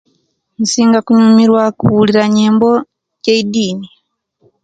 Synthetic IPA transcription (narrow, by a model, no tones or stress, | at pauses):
n̩siŋɡakuɲumiɾwakuuliɾaɲɛmbɔ | cɛidiːni